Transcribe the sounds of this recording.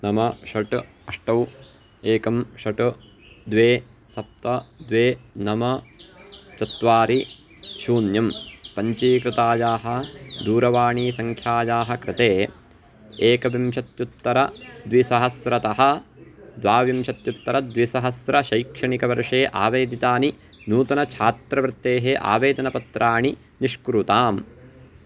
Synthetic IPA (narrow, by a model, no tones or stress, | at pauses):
nɐmɐʃɐʈ | ɐʂʈɐw | eːkɐmʃɐʈu | d̪ʋeːsɐp̚t̪ɐd̪ʋeːnɐmɐ | t͡ʃɐt̪ʋaːɾiʃuːnjɐmpɐɲt͡ʃiːkɾɪt̪aːjaːɦɐd̪uːɾɐʋaːɳiːsɐŋkʰjaːjaːɦɐkɾɪt̪eː | eːkɐʋimʃɐt̪jut̪ːɐɾɐd̪ʋisɐɦɐsɾɐt̪ɐɦɐ̆d̪ʋaːʋimʃɐt̪jut̪ːɐɾɐd̪ʋisɐɦɐsɾɐʃɐjkʂɐɳikɐʋɐɾʂeːʔa̰ːʋeːd̪it̪aːni | nuːt̪ɐnɐt͡ʃʰaːt̪ɾɐʋɾɪt̪ːeːɦeʔa̰ːʋeːd̪ɐnɐpɐt̪ɾʔaːɳi | niʂkɾut̪aːm